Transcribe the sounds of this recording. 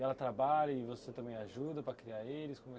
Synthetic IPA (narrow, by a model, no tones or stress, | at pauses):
ɛlɐt̪ɾabaʎɐɪvoset̪ɐ̃mbẽj̃aʒud̪ɐpɾɐkɾiaɾelɪskõmɛ